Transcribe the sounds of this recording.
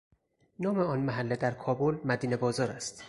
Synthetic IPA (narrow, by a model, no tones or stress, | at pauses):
nɒːmeɒːnmæɦælːed̪æɾkʰɒːbolmæd̪iːne̞bɒːzɒːɾæst̪